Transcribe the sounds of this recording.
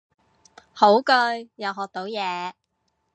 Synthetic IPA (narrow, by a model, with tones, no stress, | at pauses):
ho˨˥wkɵ˧ɥjɐ˨˩wɦɔː˨k̚t̪o˨˥wjɛː˨˧